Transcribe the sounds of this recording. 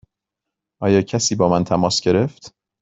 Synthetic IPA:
ʔɒːjɒːcʰæsiːbɒːmænt̪ʰæmɒːsɡe̞ɾe̞ft̪

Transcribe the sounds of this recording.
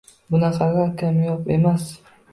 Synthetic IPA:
bʊnaqʰɑɡʲakʰʲamjɒpe̞mas

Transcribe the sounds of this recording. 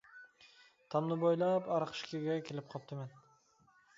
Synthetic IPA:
t̪ʰɑmnɪbojlˠapɑɾqʰʃkʲʰeɡʲakʲʰelɪp̚qʰɒp̚t̪ʰɪmen

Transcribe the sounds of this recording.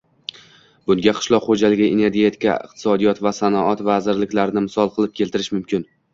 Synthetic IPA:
bʊŋɡʲaqʰɨ̥ʃlˠɒqχod͡ʒalɪɡʲaʔene̞ɾɡʲet̪ʰɪ̥kʲʰa̰ɪ̰q̚t̪ʰɪ̥sɒd̪ijɒt̪vasanɒɒt̪vazɪɾlɪkʲlaɾɪnɪmɪsɒlˠqʰɨlˠɪp̚kʲʰe̞lt̪ʰɪɾɪʃmʊmkʲʰɪn

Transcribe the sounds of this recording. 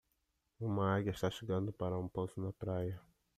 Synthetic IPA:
ũmɐaɡʲɐiʃt̪aʃeɡɐ̃nd̪ʊpaɾɐũposʊnɐpɾajɐ

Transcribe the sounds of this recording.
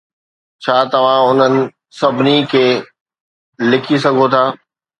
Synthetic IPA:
t͡ɕʰaːt̪ɐʋ̤ãʊn̤ənɪ̆ | sɐbʱɪnikʰeː | lɪkʰisɐɡʱot̪ʰaː

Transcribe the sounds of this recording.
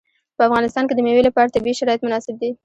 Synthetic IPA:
pəafɣɑnɪst̪ɑnked̪əmewelapɑɾat̪abiʃaɾɑjɪt̪mʊnɑsɪb̚d̪i

